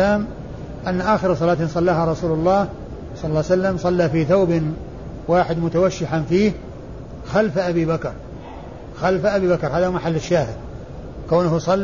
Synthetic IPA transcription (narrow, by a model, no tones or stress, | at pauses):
aːm | ʔanːaʔaːxɪɾsˤɑlaːt̪nsˤɑlːaːɦaɾˤɑsuːlʊlˤːɑːh | sˤɑlɑlːɑːsalːamsˤɑlːaːfiːθawb | waːħɪd̪mʊt̪awaʃːɪħanfiːh | xalfaʔabiːbakɾˤ | xalfʔabiːbakɾˤhaːðamaħalːɪʃːaːhɪd̪̚ | kawnʊhsˤɑlː